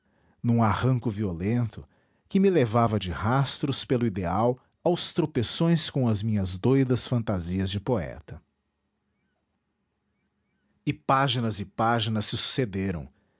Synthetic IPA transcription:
nũahɐ̃kʊviolẽnt̪ʊ | kɪmɪlevavɐd͡ʒɪhast̪ɾʊspelʊid̪eaw | awst̪ɾopesõj̃skõw̃ɐzmĩɲɐzd̪ojd̪ɐsfɐ̃nt̪aziɐzd͡ʒɪpoɛ̰t̪ɐ | ɪpaʒinɐzɪpaʒinɐsːɪsu̥sed̪eɾɐ̰̃w̃

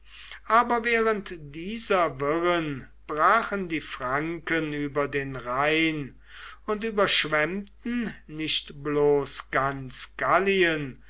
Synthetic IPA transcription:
ʔaːbɐvɛːʁəntd̥iːzɐvɪʁən | b̥ʁaːχəndiːfʁaŋkənyːbɐdeːnʁaɪn | ʊntyːbɐʃv̥ɛmtn̩nɪɕtbloːsɡ̥ant͡sɡ̥aliən

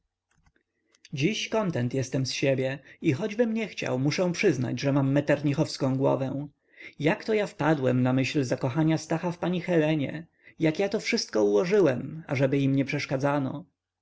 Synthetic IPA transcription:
d͡ʑiɕkɔnt̪ɛnt̪jɛst̪ɛmsɕebʲjɛixɔd͡ʑbɘmɲɛxt͡ɕa̰wmuʂɛw̃pʂɘzna̰d͡ʑʐɛmamːɛt̪ɛɾɲixɔfskɔ̃w̃ɡwɔ̰vɛ̃ | jakt̪ɔjafpad̪wɛmnamɘɕlzakɔxaɲast̪axafpaɲixɛlɛɲɛ̰ | jakjat̪ɔfʂɘst̪̚kɔuwɔʐɘwɛmaʐɛbɘimɲɛpʂɛʂkad̪zanɔ̰

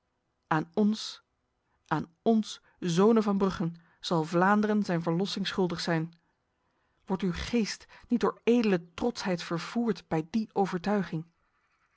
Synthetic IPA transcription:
ʔaːnɔns | ʔaːn | ɔns | zownəvɑnbrɵχən | z̥ɑlˠvlaːndərənzɛjnvəɹlɔsɪŋsχɵlˠdəχsɛjn | ʋɔɹtywχejstnit̚dʊːɹejdələtrɔtsɦɛjtfəɹv̥uːɹtb̥ɛjdiʔowvəɹtœɥχɪŋ

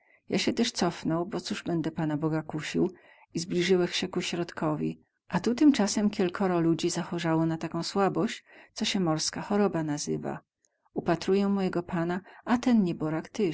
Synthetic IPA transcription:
jaɕɛt̪ɛʂt̪sɔfnɔwbɔt̪suʐbɛnd̪ɛpanabɔɡakuɕiw | izblʲiʐɘwɛxɕɛkuɕɾɔt̪kʰɔvʲḭ | ʔat̪ut̪ɘmt͡ʂasɛmkʲɛlkʰɔɾɔlud͡ʑizaxɔʐawɔnat̪akɔ̃w̃swabɔɕt͡ɕt̪sɔɕɛmɔɾskaxɔɾɔbanazɘva̰ | upat̪ɾujɛmɔjɛɡɔpʰanaat̪ɛnɲɛbɔɾakt̪ɘ

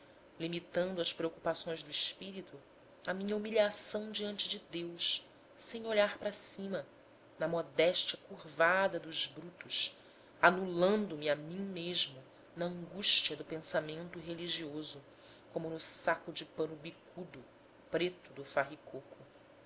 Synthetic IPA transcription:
limit̪ɐ̃nd̪ʊɐspɾeokupasõj̃zd̪ʊiʃpiɾit̪u | ɐmĩɲɐumiʎasɐ̃w̃d͡ʒiɐ̃nt͡ʃɪd͡ʒɪd̪ews | sẽj̃oʎaɾpɾɐsĩmɐ | nɐmɔd̪ɛʃt͡ʃɐkuɾvad̪ɐd̪ʊzbɾut̪ʊʃ | anulɐ̃nd̪ʊmɪamĩɲ̃meʒmʊ | nɐɐ̃ŋɡuʃt͡ʃiɐd̪ʊpẽsamẽnt̪ʊɦeliʒiozʊ | kõmʊnʊsakʊd͡ʒɪpɐ̃nʊbikʰud̪ʊ | pɾet̪ʊd̪ʊfaɦikokʊ

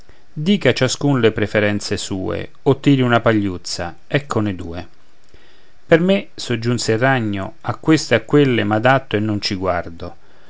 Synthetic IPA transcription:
d̪iːkat͡ʃaskunlepɾefeɾɛnt̪sesuːḛ | ot̪ːiːɾiunapaʎːut̪sːa | ɛkʰːoned̪uːe | permesod͡ʒːunserːaɲːo | akːwest̪eakːwelːɪmad̪at̪ːoenːont͡ʃiɡward̪o

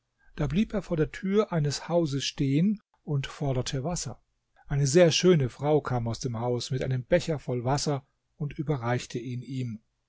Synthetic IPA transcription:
d̥aːbliːpeːɐfoːɐdeːɐtʰyːɐʔaɪnəshaʊzəsʃteːən | ʔʊntfɔɐɾɐtʰəvasɐ̰ | ʔaɪnəzeːɐʃøːnəfʁ̥aʊkʰaːmaʊsd̥eːmhaʊsmɪtʔa̰ɪnəmbɛçɐfɔlvasɐ | ʊntʔyːbɐʁaɪçtʰəiːniːm

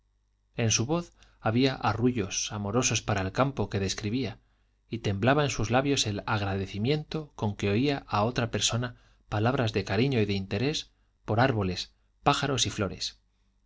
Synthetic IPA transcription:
e̞nsuβo̞θ | aβiaʔaruʝo̞samo̞ɾo̞so̞spaɾaelkampo̞ke̞ð̞e̞skɾiβia | it̪e̞mblaβaensuzlaβjo̞se̞laɣ̞ɾaðe̞θimjẽ̞nt̪o̞ko̞ŋke̞o̞iaʔao̞t̪ɾape̞ɾso̞na | palaβ̞ɾazðe̞kaɾiɲo̞iðe̞int̪e̞ɾe̞s | po̞ɾaɾβo̞le̞s | paxaɾo̞siflo̞ɾe̞̰s

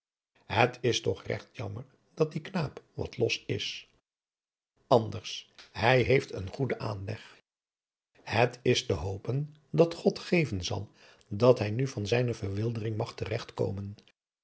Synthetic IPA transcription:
ɦətʰɪstɔχrɛ̰χtjɑməɹ | d̥ɑt̚diknaːpʋɑ̰tlɔsɪs | ɑndəɹshɛjɦejftə̰nχudəʔaːnlɛχ | hətʰɪstəɦowpən | dɑtχɔtχejvənzɑ̰lˠ | dɑtɦɛjnyvɑnzɛjnəvəɹʋɪlˠdərɪŋmɑχtərɛχtko̰wmən

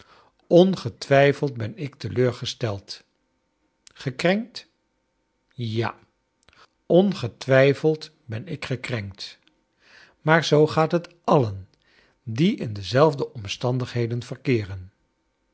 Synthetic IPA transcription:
ɔnχətʋɛjfəlˠt̚bɛnɪktəløːɹχəstɛlˠt | χəkrɛŋkt | ja̰ | ɔnχətʋɛjfəlˠt | bɛnɪkχəkrɛŋkt | maːɹzowχaːtɦətʔɑlən | diʔɪndəzɛlˠvdəʔɔmstɑndəχɦejdənv̥ərkɪːrən

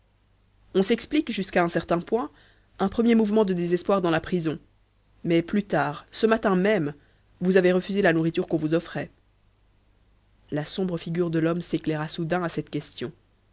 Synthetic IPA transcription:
ɔ̃sɛksplikʒyskaɛ̃sɛʁt̪ɛ̃pwɛ̃ | ɛ̃pχəmjemuvmɑ̃d̪əd̪ezɛspwaʁd̪ɑ̃lapχizɔ̃ | mɛplyt̪aːʁsəmat̪ɛ̃mɛm | vuzaveʁəfyzelanuʁit̪yʁkɔ̃vuzɔfχɛ | lasɔ̃bʁəfiɡʲyːʁd̪əlɔmseklɛʁasud̪ɛ̃asɛt̪kʲɛst̪jɔ̃

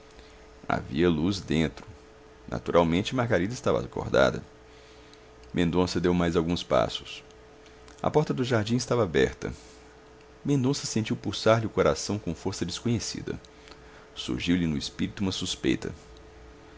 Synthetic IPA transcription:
a̰vḭɐluzd̪ẽnt̪ɾʊ | na̰t̪uɾʔawmẽnt͡ʃɪmaɾɡaɾid̪ɐɪst̪avɐa̰ko̰ɾd̪a̰d̪ɐ̰ | mʔẽnd̪õsɐd̪ewmajzawɡũspa̰sʊ̥s | ɐ̰pɔɾt̪ɐd̪ʊʒaɾd͡ʒĩɪst̪avɐabɛɾt̪ɐ̰ | mẽnd̪õsɐsẽnt͡ʃiwpusaɾlɪʊkoɾasɐ̃w̃kõfoɾsɐd͡ʒɪskõɲesḭd̪ɐ̰ | sṵɾʒiwlɪnʊispiɾit̪ʊuũmɐsuspḛjt̪ɐ̰

